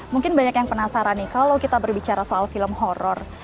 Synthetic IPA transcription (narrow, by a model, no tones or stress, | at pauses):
muŋkɪnbaɲakjaŋpənasaɾanːɪkalawkit̪abərbit͡ʃaɾasoʔalfiləmɦɔɾɔr